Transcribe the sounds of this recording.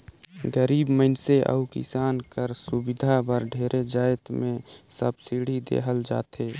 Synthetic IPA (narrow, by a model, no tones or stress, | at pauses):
ɡəɾiːbməɪnseʔə̰ukɪ̰saːnkəɾsubɪd̪ʱabəɾɖʱeːɾʔed͡ʒaːjt̪mẽsəbsiɽ̤id̪ḛːɦəld͡ʒa̰ːt̪ʰeː